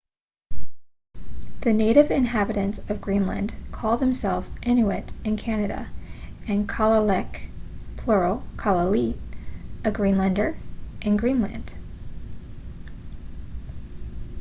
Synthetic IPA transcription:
ðɨneɪɾɨvɨ̃nɦæbɨɾɨ̃ntsʌvɡɹĩnlɨ̰̃nkʰɔl̚ˠðɨ̃m̩sɛlˠvz̥ʔɛ̃nʉɨɾɨ̃nkʰænɨɾɨ̰ɨ̃nkʰɑlˠəlɛkpʰl̥ɔɹl̩ˠkʰɑlˠəli | ɨɡɹĩnlɨ̃ndə˞ʔɨ̃nɡɹĩnlɨ̰̃nd̥

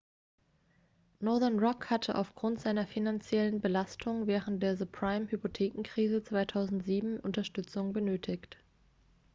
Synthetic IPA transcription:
nɔɐðɐnʁɔkhatʰəʔa̰ʊfɡ̥ʁʊntz̥aɪnɐfinant͡sjɛlənbəlastʰʊŋvɛːʁ̞ənt̚d̥eːɐzupʁ̥aɪmhypotʰeːkŋ̩kʁ̥iːzət͡sv̥aɪtʰaʊzn̩tz̥iːbm̩ʔʊntɐʃtʏt͡sʊŋbənøːtʰɪçt

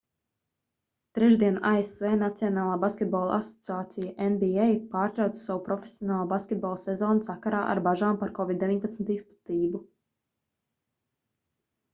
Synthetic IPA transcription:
t̪ɾɛʒd̪iɛnaʔaesveːnat̪siɔnaːlˠaːbaskʲet̪̚bɔːlˠa̰sɔ̥t̪siaːt̪sijaʔenbiɛjpaːɾt̪ɾawt̪sawupɾɔfesiɔnaːlˠaːbaskʲet̪̚bɔlˠsɛzɔːnusakaɾaːʔa̰ɾbaʒaːmpaɾkɔvid̪d̪evʲiɲʲpat̪smʲt̪ispu̥t̪iːbu

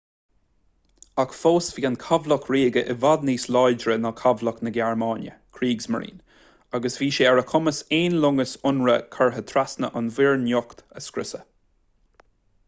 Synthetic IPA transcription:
akfoːsviːankʰavlɔkʰɹiːɡəʔɪvad̪niːslajd͡ʒɹənɔkʰavləknəɡɛɹmaːnjə̰kʰɾiːɡsmə̰ɹɾḭːn | aɡəsviːʃeːɛɹəkʰʊməseːnlʊŋəsʊnɹəkʰaɹɦət̪ʰɾasnəʔanvɪɹnjɔkt̪əskɾɪsə

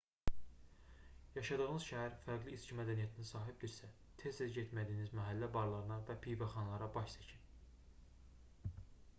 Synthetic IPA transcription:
jɑʃɑd̪ɯʁɯnɯz̥ʃæɦæɾfæɾɡliːscimæd̪ænijæt̪ʰinisɑːɦib̚d̪iɾsæ | t̪ʰest̪æɟet̪ʰmæd̪iːnizmæɦælːæbɑɾlˠɑɾɯnɑvæpʰijvæχɑnlˠɑɾɑbɑʃsæcʰin

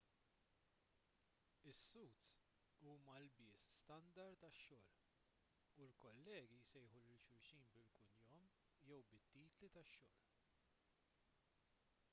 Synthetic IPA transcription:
ɪsːuːt̪ | uːmɐlbɪːsst̪ɐnd̪ɐɾt̪ɐʃːɔːl | ulkɔlːɛːɡisɛjħulɪlʃʊɾʃiːnbɪlkʊnjɔm | jɛwbɪt̪ːiːt̪lit̪ɐʃːɔːl

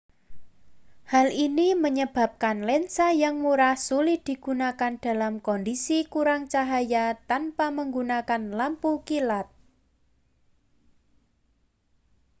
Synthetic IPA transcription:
halʔiniməɲəb̥a̤p̚kanlɛnsajaŋmuɾahsulɪhd̪̥i̤ɡ̥unakand̥a̤lamkɔndisikuɾaŋt͡ʃaɦajat̪anpaməŋɡunakanlampukilat̪̚

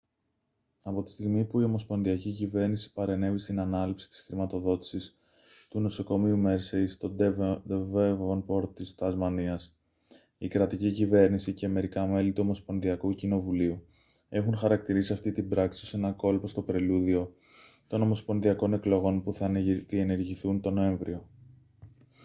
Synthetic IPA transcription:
ɐpo̞t̪i̥st̪iɣmipuio̞mo̞spo̞nðiɐcicive̞ɾnisi̥pɐɾe̞ne̞vist̪inɐnɐlipsi̥t̪i̥sxɾimɐt̪o̞ðo̞t̪i̥sis | t̪uno̞so̞ko̞miume̞ɾsest̪o̞d̪ed̪evevonpo̞ɾtt̪ist̪ɐzmɐniɐs | ikɾɐt̪icicive̞ɾnisiceme̞ɾikɐme̞lit̪uo̞mo̞spo̞nðiɐkucino̞vuliu | e̞xunxɐɾɐk̚t̪iɾisiɐft̪it̪ibɾɐksi̥ose̞nɐko̞lpo̞st̪o̞pɾe̞luðio̞ | t̪o̞no̞mo̞spo̞nðiɐko̞ne̞klo̞ɣo̞npuθɐðie̞ne̞ɾʝiθunt̪o̞no̞e̞ɱvɾḭo̞

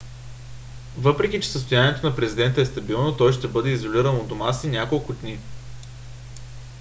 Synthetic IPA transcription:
vɤpɾɛk̟ʲit͡ʃɛ̥səst̪ʊjanʲiɛt̪onɐpɾɛzid̪ɛnt̪əɛst̪ɐbilˠnot̪ɔjʃt̪ɛbɤd̪ɛizoliɾənod̪omasinʲakolˠkʊd̪ni

